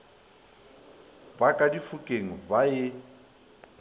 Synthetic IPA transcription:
bakʼadifukʼeŋ̩bajɪ

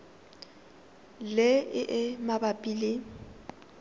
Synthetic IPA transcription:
lɪɪʔɪmabapʼilɪ

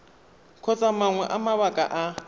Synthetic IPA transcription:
kʰɔt͡sʼamaŋwɛʔamaβakʼa̰ʔa

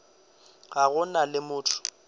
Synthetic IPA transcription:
ɣaɣʊnalɪmʊːtʰʊ̥

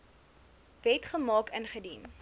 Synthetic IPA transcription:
vɛtχəmɑːkənχədin

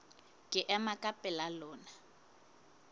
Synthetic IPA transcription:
kʼɪʔɛmakʼapʼɛlalɔːna

